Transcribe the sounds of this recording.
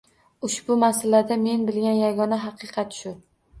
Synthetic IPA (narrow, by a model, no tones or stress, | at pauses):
ʊʃbʊmasalad̪ame̞nbɪlɡʲanjaɡɒnaɦɑqʰɨqʰɑt̪ʃʊ